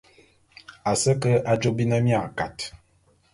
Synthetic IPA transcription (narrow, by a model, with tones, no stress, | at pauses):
a˨sə˦kə˦ʔa˦d͡ʒo˦bi˦nə˦mja˦˨ka˨t